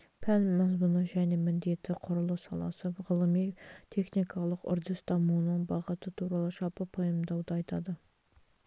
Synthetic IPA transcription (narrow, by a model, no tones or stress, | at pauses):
pʰælmːɑzmunəʒæne̞mɪnd̪e̞t̪ɪqʰʊɾʊlˠəsɑlˠɑ̰səʁəlˠəmijt̪ʰe̞χnikʰɑlˠəqʊ̰ɾd̪ɪst̪ʰɑmunəɴbɑʁət̪ət̪ʰuɾɑlˠəʃɑpəpʰojəmd̪ɑwd̪əɑjt̪ɑd̪ə